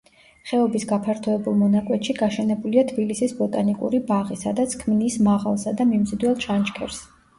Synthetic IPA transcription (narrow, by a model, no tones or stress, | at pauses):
χɛɔbisɡapʰaɾt̪ʰɔɛbulˠmɔnakʼwɛt̪ʃiɡaʃɛnɛbuliat̪ʰbilisisbɔt̪ʼanikʼṵɾibaʁisa̰d̪at̪sʰkʰmnismaʁa̰lˠsad̪amimzid̪wɛlˠʃʰant͡ʃkʰɛ̰ɾs